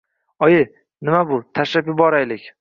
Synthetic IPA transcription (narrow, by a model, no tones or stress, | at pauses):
ɒe | nɪmabʊt̪ʰaʃapɪbɒɾajlɪkʲ